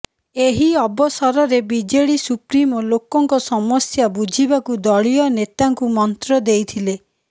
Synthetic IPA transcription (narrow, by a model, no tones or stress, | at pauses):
eɦiɔbɔsaɾɔɾebid͡ʒeɽisupɾimɔlokɔŋkɔsɔmɔsjabud͡ʒʱibakud̪ɔɭijɔnet̪aŋkumɔnt̪ɾɔd̪ejt̪ʰile